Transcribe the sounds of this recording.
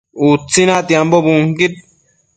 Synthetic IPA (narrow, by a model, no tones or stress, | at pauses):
ut͡sːinat̪jambobuŋkit̪̚